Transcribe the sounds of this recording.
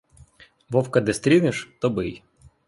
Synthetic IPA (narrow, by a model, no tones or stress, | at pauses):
ʋɔwkɐd̪ɪst̪ɾʲinɪʃt̪ɔbɪj